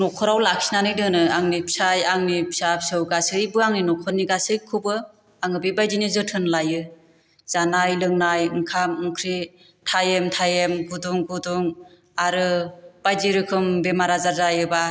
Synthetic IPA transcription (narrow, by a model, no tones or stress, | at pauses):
nɔkʰɔɾawlaksinanɯjdɯnɯaŋnipsajaŋnipʰi̥sapsɯwɡasɯjbɯaŋninɔkʰɔniɡasɯjkʰubɯ | aŋɯbebajdinizɯtʰɯnlajɯ | z̥anajlɯŋnajɯŋkʰamɯŋkʰɾi | tʰajemtʰajemɡuduŋɡuduŋ | aɾɯb̥ajziɾɯkʰɯmbemaɾazaɾzajɯba